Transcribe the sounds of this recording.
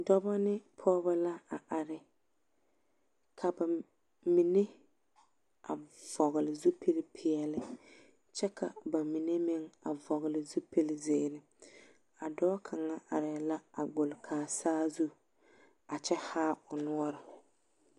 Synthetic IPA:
dɔ˦ba˦nɪ˦pʰɔː˦βa˦la˦a˨ʔa˨ɾɪ˨ | kʰa˨ba˨ | mi˨ne˦ | a̰˨vɔ˨ɣɪ˨lɪ˨zu˦pʰe˦lɪ˦pʰɪ˨ɛ˨lɪ˦ | t͡ʃɛ˦kʰa̰˨ba˨mi˨ne˦mɪ˦ŋa̰˨vɔ˨ɣɪ˨lɪ˨zu˦pe˦lɪ˦zeː˦˨ɾɪ˨ | a˨dɔː˦kʰa˨ŋa˦ʔa˨ɾɪ˨la˦a˨ɡ͡bʊ˨lkʰaː˨saː˦zu˦ | a˨t͡ʃɛ˦haː˦ʊ˨nʊ˦ɔ˦ɾɪ˨

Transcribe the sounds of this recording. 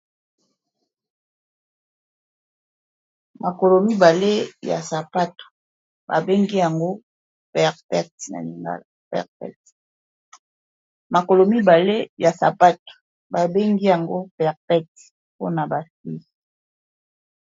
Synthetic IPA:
ma˨ko˨lo˨mi˦ba˨le˦ja̰˨sa˨pa˦to̥˨ | ba̰˨be˦ŋɡi˦ja˨ŋɡo˦ | pɛ˨ʁpɛ˦tna̰˨li˨ŋɡa̰˦la˨pɛ̰˨ʁpɛ̰˦t | ma˨ko˨lo˨mi˦ba˨le˦ja˨sa̰˨pa˦to̥˨ | ba˨be˦ŋɡi˦ja˨ŋɡo˦pɛ˨ʁpɛ˦t | po˦na˨ba˨si˦

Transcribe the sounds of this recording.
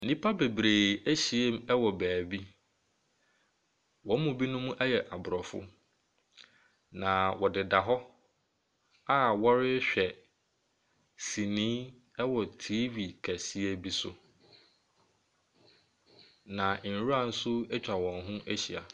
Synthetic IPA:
nĩ˦pʰa˦be˨bɾeː˨æ˦ɕi˨e˦m˦ɛ˦wɔ˨bæː˨bi˦ | wɔ̃˨˦mʊ̃˨bi˦nʊ̃˦mũ˦ʔɛ˦jɛ˨ʔa˨bʊ˨ɾɔ˨fʊ̰˦ | nã˨wɔ˨dɪ˨da˨ɦɔ˦ | a˦˨wɔ˦ɾɪ˦ɕᶣɛ˨ | si˨nĩː˦ | ɛ˦wɔ˨tʰiː˦vi˨kʰæ˨si˦e˦bi˦sʊ˦ | nã˨n̩˨˦ɾu˦a˦˨n̩˦sʊ˦ɛ˦t͡ɕᶣa˨wɔ̃˨nɦʊ̃˦ʔæ˦ɕi˨a̰˨

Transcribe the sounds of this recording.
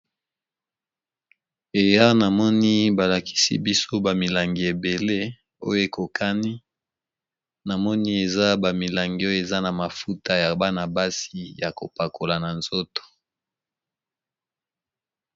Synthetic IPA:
e˨ja˦na˨mɔ˦ni˦ba˨la˨kʰi̥˦sḭ˦bi˦so˦ba˨mi˨la˨ŋɡi˨e˨be˨le˦ | o̰˦jo˦e˨ko˨kʰa˦ni˦ | na˨mɔ˦ni˦e˨za˦ba˨mi˨la˨ŋɡi˨o˦jo˦e˨za˦na˨ma˨fu˦ta˦ja˨ba˦na˨ba˦si˦ja˨ko̰˨pa˨ko˨la˨na˨nz̥o˦to̥˨

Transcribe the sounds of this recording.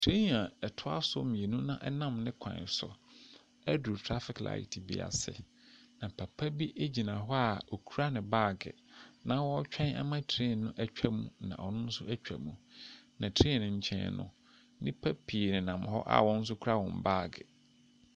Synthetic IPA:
tʰe˦ɲ˦˨ã˨ɛ˨tʰʊ˦a̰˦sʊ˦mĩ˨e˨nũ˦nã˦ʔɛ˦nã˦mnɪ̃˦kʷʰã̰˨sɔ̰˨ | æ˦du˨tʰɾa˦fɪ˨kla̰˨ɪ˨tʰi˨bḭ˨a̰˨sɛ̰˨ | nã˨pʰæ˨pʰæ˦bi˦ʔe˦d͡ʑi˨nã˨ɦɔ˦a˨o˨kʰu˦ɾa˦nɪ̃˨baː˦˨ɡɪ̰˨nã˦wɔ˦t͡ɕᶣʰɛ̃˦na̰˦mã˦tʰi˨ɾɪ˦˨nʊ̃˦ʔæ˦t͡ɕᶣæ˦mũ˨nã̰˨ʔɔ˨nʊ̃˦n̩˦sʊ˦æ˦t͡ɕᶣæ̰˨mũ˨nã˨tʰi˨ɾɪ˦˨nɪ̃˨ɲ̩˨t͡ɕʰɛ̰̃˦˨nnʊ̰̃˨ | nɪ̃˦pʰæ˦pʰi˨nɪ̃˨nã˨mɦɔ̰˦ʔa̰˨wɔ̃˦n̩˦s̬ʊ˦kʰu˦ɾa˦wɔ̃˨mbaː˦˨ɡɪ̰˨

